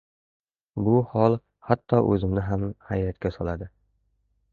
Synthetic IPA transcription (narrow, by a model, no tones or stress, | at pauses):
bʊhɒlˠ | hat̪ʰːɒʔɵzɪmnɪɦamhajɾat̪kʲasɒlˠad̪ɪ